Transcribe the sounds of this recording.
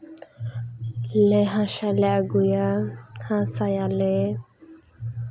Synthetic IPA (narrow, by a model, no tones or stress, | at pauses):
leɦãʃaleaɡujahãsajale